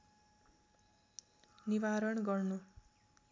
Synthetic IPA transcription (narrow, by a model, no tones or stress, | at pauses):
niʋaɾʌɳɡʌrnu